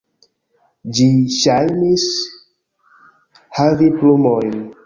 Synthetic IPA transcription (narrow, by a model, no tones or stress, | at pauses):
d͡ʒiʃajmis | haɾiplumojn